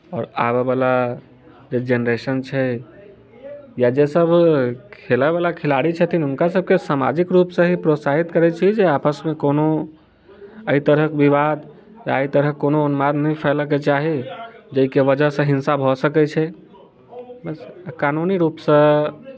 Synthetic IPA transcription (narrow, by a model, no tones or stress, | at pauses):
ɔːɾa̰βebala | d͡ʒed͡ʒenɾesənt͡ʃʰɛ | jad͡ʒesəbʱkʰelɛβalakʰelaɽit͡ʃʰət̪ʰinunkasəb̚ʱkesama̰d͡ʒikɾupsə̃ɦipɾot̪saɦit̪kəɾɛt͡ʃʰid͡ʒeapəsmekono | əit̪əɾəkbiβad̪ | jait̪əɾəkːonoːnmad̪nəpʰɛləket͡ʃaɦid͡ʒəikeʋəd͡ʒəɦsə̃ɦinsabʱɔsəkɛt͡ʃʰɛ | bəskanuniɾupsə̃